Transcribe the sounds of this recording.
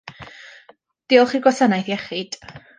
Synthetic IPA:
d̥iːɔlˠχiːɡwasanajθjɛχɪd̥

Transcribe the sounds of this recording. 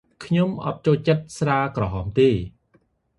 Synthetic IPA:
kʰɲomʔɑ̰t̪̚t͡ɕoːlt͡ɕət̪̚sraːkrɑɦɑːmt̪eː

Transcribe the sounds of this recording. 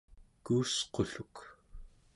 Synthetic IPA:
kuːsqoɬuk

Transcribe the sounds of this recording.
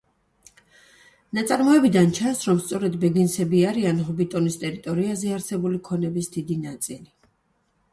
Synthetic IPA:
nat̪sʼaɾmɔɛbid̪ant͡ʃʰansɾɔmst̪sʼɔɾɛd̪bɛɡinsɛbiaɾianɦɔbit̪ʼɔnist̪ʼɛɾit̪ʼɔɾiazɛaɾsɛbulikʰɔnɛbisd̪id̪inat̪sʼili

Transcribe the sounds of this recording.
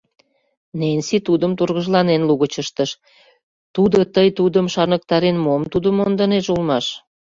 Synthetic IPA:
nenʲsit̪ud̪əmt̪urɣə̆ʒlɑnenluɣət͡ɕəʃt̪əʃ | t̪ud̪ot̪əjt̪ud̪əmʃɑrnək̚t̪ɑɾenmomt̪ud̪əmond̪əneʃulmɑʃ

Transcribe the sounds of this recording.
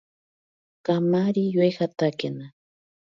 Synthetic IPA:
kamaɾijwexat̪akena

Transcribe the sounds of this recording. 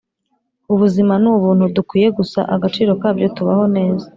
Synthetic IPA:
uβuzimanuβuːn̥hudukwiːje̞ɡusa̰ʔaɡat͡ʃiːɾo̞kaːbɟo̞tuβaho̞ne̞ːzḁ

